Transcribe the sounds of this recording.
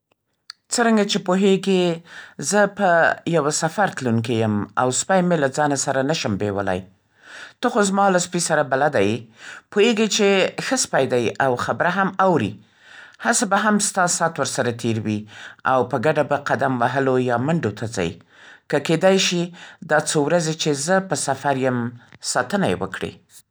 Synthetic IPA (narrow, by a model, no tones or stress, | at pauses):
t͡səɾaŋɡat͡ʃepoɦeɡezəpəjawasafaɾt̪lunk̬ejəma̰wspajmelad͡zɑnasaɾanaʃəmbewə̰la̰j | t̪oxozmɑlaspisaɾabalad̪ajpojeɡet͡ʃexəspajd̪ajawxabɾaɦamawɾḭ | hasabaɦamst̪ɑsɑt̪wəɾsaɾat̪ʰeɾwia̰wpəɡaɖabaqad̪amwaɦəlojɑmaɳɖot̪ʰaza̰j | kəked̪ajʃid̪ɑt͡sowɾazet͡ʃezəpəsafaɾjəmsɑt̪ənajḛwə̰kɽḛ